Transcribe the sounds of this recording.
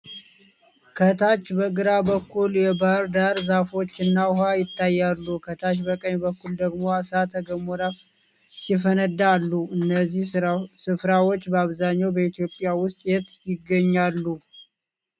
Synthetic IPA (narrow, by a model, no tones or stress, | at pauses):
kʰət̪ʰat͡ʃːbəɡɨɾabəkʰːuljɛbaɾd̪aɾzafo̞t͡ʃːɨnːaʊɦajɪt̪ːajːalːukʰət̪ʰat͡ʃbəkʼəɲbəkːuld̪əɡmoasat̪ʰəɡəmoɾaf | sifənəd̪aːlːuɨnːəzːihsɨfɾawo̞t͡ʃːbəaβzaɲːawbəit̪jo̞pʼːɪjawʊst̪ʼjɛt̪jɪɡːəɲːalːu